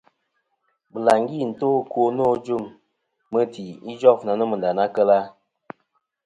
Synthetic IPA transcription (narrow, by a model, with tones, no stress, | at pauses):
bə˨la˨ŋɡi˦˨n̩˨to˦ko˦no˦d͡ʒu˦˨mː | ə˦ti˨i˦d͡ʒɔ˦˨fna˨nə˦mə˨n˨da˨na˦kə˦la˦